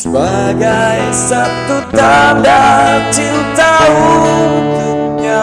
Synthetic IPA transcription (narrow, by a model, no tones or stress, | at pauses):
sbaɡaj | sap̚t̪ut̪adat͡ʃint̪au | ɲa